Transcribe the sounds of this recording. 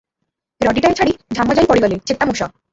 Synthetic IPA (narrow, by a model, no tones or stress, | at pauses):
ɾɔʈiʈat͡ɕʰaɽid͡ʑʱamːad͡ʑajpɔɽiɡɔlet͡ɕet̪ːamuʃɔ